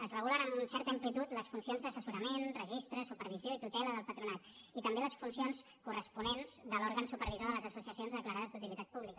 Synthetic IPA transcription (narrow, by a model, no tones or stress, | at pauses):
əzrəɣ̞ulənəmunsɛɾt̪əimplit̪ut̪ləsfunsionzðəsəsuɾəmenrəʒist̪ɾəsupəɾβ̞izjoit̪ut̪ɛləðəlˠpət̪ɾunat̪it̪əmbeləsfunsions | kurəspunenz̥d̪əlɔɾɣənsupəɾβizoðələzəsusiəsionzðəkləɾaðəzd̪ut̪ilit̪at̪̚puβlikə